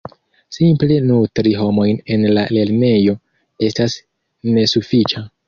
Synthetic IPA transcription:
simple̞nutɾiɦo̞mo̞jne̞nlale̞ɾne̞jo̞ | e̞stas | ne̞sufit͡ʃa

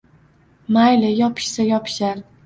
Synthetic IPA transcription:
majlɪjɒpʰɪ̥ʃsajɒpʰɪ̥ʃaɾ

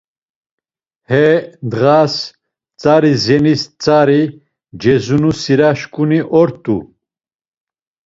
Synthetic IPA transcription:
hɛnd̪ʁas | t͡sʼaɾizɛnist͡sʼaɾi | d͡ʒɛzunusiɾaʃkʼuniʔɔɾt̪ʼṵ

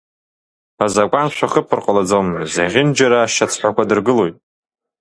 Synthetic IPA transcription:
azakʷʼanʃʷʰaχəpʰɨrqʼalad͡zowmɨzaʁʲɪnd͡ʒaɾaːʃat͡sʰħʷakʷadɨrɡɨlojtʼ

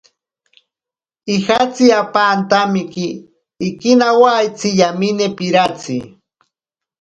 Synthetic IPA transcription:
ixat͡siapaːnt̪amɪkiː | kinawaːjt͡sijaminepiɾat͡si

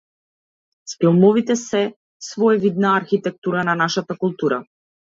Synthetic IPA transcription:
spilˠmɔvit̪ɛsɛ | svɔɛvid̪naːɾxit̪ɛk̚t̪uɾananaʃat̪akulˠt̪uɾa

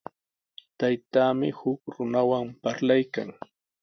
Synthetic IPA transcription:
t̪ajt̪aːmɪhʊkɾʊnawampaɾlajka̰ŋ

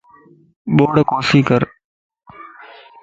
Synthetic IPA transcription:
ɓoːɽkoːsiːkəɾ

